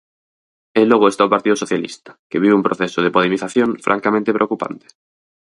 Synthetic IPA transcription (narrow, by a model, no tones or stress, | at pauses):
eloɣ̞oest̪aopaɾt̪iðosoθjalḭst̪ḁkeβiβeumpɾoθesoðepolemiθaθjoɱfɾʔa̰ŋkamẽnt̪epɾeokupa̰nt̪e̥